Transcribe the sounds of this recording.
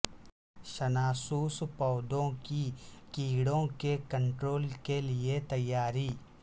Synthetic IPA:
ʃɐnaːsuːspɔːd̪õkikiːɽõkekɐ̃ɳʈɾoːlkeliet̪ɐjːaːɾiː

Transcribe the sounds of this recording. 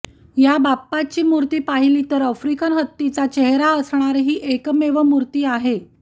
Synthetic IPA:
jabapːat͡ɕiːmuɾt̪iːpaɦiliːt̪əɾəfɾikənɦət̪ːit͡sat͡ɕeɦɾaəsɳ̃aɾɦiːʔekmeʋəmuɾt̪iːaɦe

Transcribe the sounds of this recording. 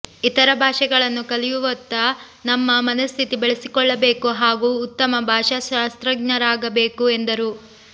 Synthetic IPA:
it̪ɐɾɐbʱaːʂɐɡɐɭɐnːukɐlijuʋɐt̪ːɐ | nɐmːɐmɐnɐst̪ʰit̪ibeɭesikɔɭːɐbe̞ːkuɦaːɡuːt̪ːɐmɐbʱaːʂɐʃaːst̪ɾɐɡ̚nɐɾaːɡɐbe̞ːkuend̪ɐɾu

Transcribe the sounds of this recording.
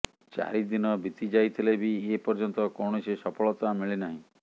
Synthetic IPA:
t͡ʃa̰ɾid̪inɔbit̪id͡ʒajt̪ʰilebiepɔɾd͡ʒɔnt̪ɔkɔwɳ̃ɔsesɔpʰɔɭɔt̪amiɭinaɦĩ

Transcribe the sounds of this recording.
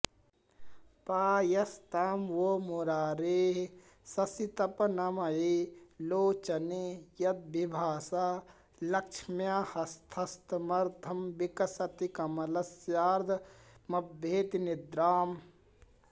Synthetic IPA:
paːjɐst̪aːmʋoːmuɾaːɾeːɦ | sɐsit̪ɐpɐnɐmɐiloːt͡ʃɐnejɐd̪̚bibʱaːsaː | lɐkʃʰmjaːhɐst̪ʰɐst̪ɐmɐɾt̪ʰɐmbikɐsɐt̪ikɐmɐlɐsjaːɾd̪ʱmɐbʱːeːt̪inid̪ɾaːm

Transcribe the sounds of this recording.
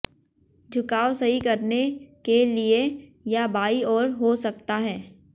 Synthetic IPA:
d͡ʒʱʊkaːwsɐɦikɐɾnekeliejabaːiɔːɾɦosɐk̚t̪aɦɛː

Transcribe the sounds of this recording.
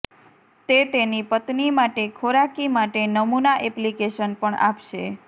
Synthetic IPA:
t̪et̪enipət̪nimaʈekʰoɾakimaʈenəmunaʔɛplikeʃənpəɳa̰pʃe

